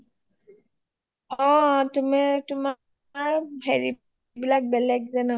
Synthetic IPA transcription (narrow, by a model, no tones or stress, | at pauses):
ɔtumɛtʊma | ɹɦeɹi | bilak̚bɛlɛk̚zɛna